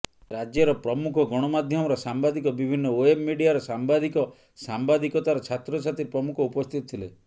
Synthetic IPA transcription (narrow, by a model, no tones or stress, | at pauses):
ɾad͡ʒjeɾɔpɾɔmukʰɔɡɔɽ̃ɔmad̪ʱjɔmɔɾɔsambad̪ikɔbibʱinːɔoebmiɖijaɾɔsambad̪ikɔ | sambad̪ikɔt̪aɾɔt͡ʃʰat̪ɾɔt͡ʃʰat̪iɾpɾɔmukʰɔupɔst̪ʰit̪ɔt̪ʰile